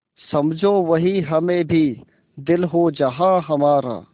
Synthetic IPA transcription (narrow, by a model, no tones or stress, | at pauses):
sɐmd͡ʒʱoːʋɐɦiɦɐmẽːbʱiː | d̪ɪlɦoːd͡ʒɐɦãːɦɐmaːɾa̰ː